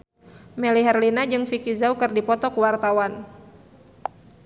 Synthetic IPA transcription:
mɛliɦɛrlinad͡ʒɨŋfikizaukɨrdipɔt̪ɔkuwart̪awan

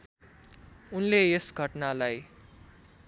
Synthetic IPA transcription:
unleesɡʱʌʈnalaj

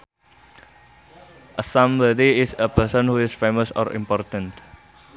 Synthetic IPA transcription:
ʔəsãmbədiɪsəpəsɔ̃nhuɪsfemɔsɔ̰ɾḭmpɔrt̪ə̃nt̪

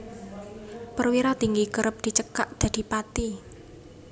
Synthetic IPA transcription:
pərwiɾat̪iŋɡikəɾəp̚d̪̥i̤t͡ʃəkaʔd̪̥ä̤d̪̥i̤pat̪i

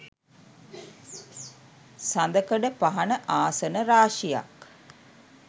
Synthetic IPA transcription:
sand̪əkəɖəpaɦanəʔaːsənəɾaːʂija̰k

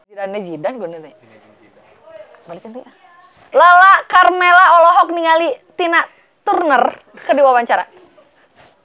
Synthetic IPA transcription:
idanːɛd͡ʒidanɡuninɛ | mbalikənt̪ia | lalakarmelaɔlɔɦɔk̚niŋalit̪inaʔ | t̪urnər | kədiwawaɲt͡ʃaɾa̰

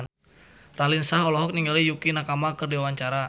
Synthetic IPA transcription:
n | ralinsaɦɔlɔɦɔk̚niŋɡalijukinakamakərdiawaɲt͡ʃaɾa

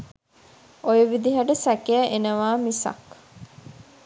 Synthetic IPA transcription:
ojəʋid̪iɦaʈəsækejæʔenəʋaːmisa̰k

